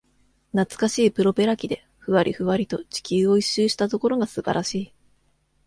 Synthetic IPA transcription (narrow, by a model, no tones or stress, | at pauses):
nat͡sɨ̥kaɕiːpɯ̟ɾo̞pe̞ɾakʲid̪e̞ | ɸɯ̟βaɾʲʔḭɸɯ̟βaɾʲit̪o̞t͡ɕi̥kʲɨːo̞iɕːɨːɕi̥t̪at̪o̞ko̞ɾo̞ɡasɨba̰ɾʔaɕiː